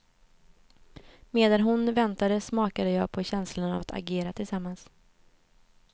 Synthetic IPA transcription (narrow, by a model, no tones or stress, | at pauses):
meːd̪anɦʊnvɛnt̪ad̪əsmɑːkad̪əjɑːɡ̚pʰɔɕɛnslana̰vat̪ʰa̰ɡeːɾat̪ʰɪlsamːans